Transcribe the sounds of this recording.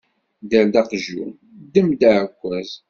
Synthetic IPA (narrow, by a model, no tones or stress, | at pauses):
d̪æld̪ɑqʒṵ | d̪ːəmd̪aʕkʷːæz